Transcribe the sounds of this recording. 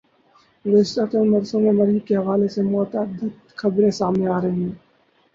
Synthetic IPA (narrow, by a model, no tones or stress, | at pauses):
ʋeːst̪aːt̪ənmɐɾsõmẽmɐɾikeɦɐʋaːlesemɔːt̪əd̪ʱət̪xɐbɾẽsaːmneaːɾɐɦĩː